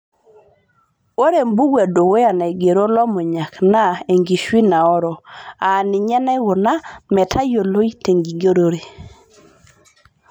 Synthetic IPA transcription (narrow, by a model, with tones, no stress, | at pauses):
o˦ɾe˨mbu˦ɡwe˨do˨we˦ja˨na˨i˨ɡe˨ɾo˦lɔ˦mɔ˨ɲa˨kna˦e˨ŋɡi˨ʃwi˦na˨ɔ˦ɾɔ˨a˨nɪ˨ɲɛ˦na˦wɔ˨na˦mɛ˨tʰa˦jo˨lo˦i˦te˨ŋɡi˨ɡo˦ɾo˦ɾe˨